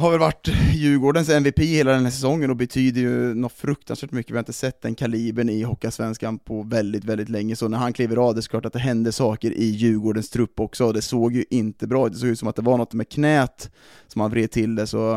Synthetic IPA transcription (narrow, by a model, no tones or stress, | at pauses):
haɾvɛlvaʈːjʉ̟ːɡoːɖənsɛnvɪpiːheːlad̪ɛnhæːʂ̬ɛsɔŋːənɔbɛt̪ʰyːd̪əjɵnɔt̪fɾɵk̚t̪ansvæːʈmʏkːəvɪhaɾɪt̪əsɛt̪ːd̪ɛnkʰaliːbənɪɦɔkːasvɛnskanpʰɔvɛld̪ɪt̪vɛld̪ɪt̪lɛŋːəsɔnæɾhankʰliːvəɾɑːvd̪ɛsɔ̥k̪ʰɑːʈːat̪̚d̪ɛɦɛnd̪əsɑːkəɾʔɪjʉ̟ːɡoːɖənst̪ʰɾɵpːɔksɔɔd̪ɛsoːɡjɵʔɪnt̪əbɾɑːt̪ɛsoːɡjʉːt̪sɔmat̪̚d̪ɛvaɳɔt̪ːmɛkʰnɛːt̪ | sɔmhanvɾeːd̪̚t̪ʰɪld̪ɛsɔ